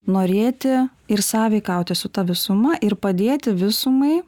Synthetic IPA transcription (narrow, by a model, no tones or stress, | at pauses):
noːɾʲeːt̪ʲɪ | ɪɾsɑːʋʲɛɪkɐʊt̪ʲɪsʊt̪ɐʋʲɪsʊmɐʔɪɾpɐd̪ʲeːt̪ʲɪʋʲɪsʊmɐɪ